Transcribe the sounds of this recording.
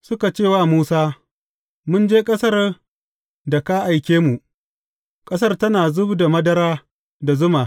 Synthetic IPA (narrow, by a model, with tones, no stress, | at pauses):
sʊ˦ka˨t͡ʃeː˦˨waː˦˨muː˦saː˦ | mʊ˦nd͡ʒeː˦kʼɐ˦sɐ˦r | da˨ka˦ʔa˨jkʲeː˦mu˨ʔ | kʼɐ˦s̬ɐ˦rtɐ˦naː˨zʊ˦bda˨mɐ˦dɐ˦ɾaː˦ | da˨zʊ˦maː˨